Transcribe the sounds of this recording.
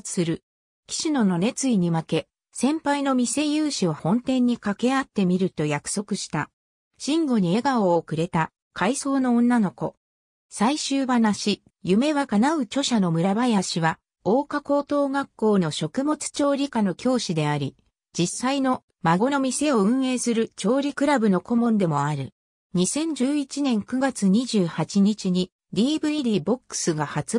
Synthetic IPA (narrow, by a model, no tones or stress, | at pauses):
sɨɾɯ̟ | kʲi̥ɕino̞no̞ne̞t͡sɨiɲ̟imake̞ | sẽ̞mpaino̞mʲise̞jɯːɕiβahõ̞nt̪ẽ̞ɲ̟ːikake̞at̪ːe̞mʲiɾɯ̟t̪o̞jakɯ̟̥so̞kɯ̟ɕi̥t̪a | ɕĩŋɡo̞ɲ̟ie̞ɡaoːkɯ̟ɾe̞t̪a | kʰaiso̞ːnõ̞ːnːano̞ko̞̰ | saiɕɨːβanaɕi | jɯ̟me̞βakanaɯ̟t͡ɕo̞ɕano̞mɯ̟ɾabajaɕiβa | o̞ːkako̞ːt̪o̞ːɡakːo̞ːno̞ɕo̞kɯ̟mo̞t͡sɨ̥t͡ɕo̞ːɾʲikano̞kʲo̞ːɕid̪e̞aɾʲi | d͡ʑisːaino̞ | maɡo̞no̞mʲise̞o̞ɯ̟̃ɰ̃e̞ːsɨɾɯ̟t͡ɕo̞ːɾʲikɯ̟ɾabɯ̟no̞ko̞mõ̞nd̪e̞mo̞aɾɯ̟̰ | ɲ̟isẽ̞ɲ̟d͡ʑɨːit͡ɕinẽ̞ŋkɯ̟ɡat͡sɨɲ̟iʑɨːhat͡ɕiɲ̟it͡ɕiɲ̟i | dʲiːbɯ̟iɾʲiːbo̞kːɯ̥sɨɡahat͡s